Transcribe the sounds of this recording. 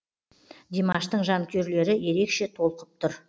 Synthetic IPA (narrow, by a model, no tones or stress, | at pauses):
d̪imɑʃt̪əɴʒɑŋkʲʰe̞ɾle̞ɾɪje̞ɾe̞kʃe̞t̪ʰo̞lˠqəp̚t̪ʰʊɾ